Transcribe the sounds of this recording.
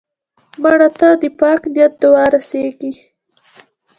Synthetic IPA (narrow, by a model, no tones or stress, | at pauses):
maɽat̪ad̪əpɑknjat̪̚d̪ʊwɑɾaseɡi